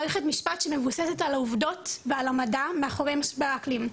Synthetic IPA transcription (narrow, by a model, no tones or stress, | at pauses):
ʁeχe̞tmiʃpatʃeme̞vusesetalauvdo̞tvealamadameaχoʁejmaʃbeaklim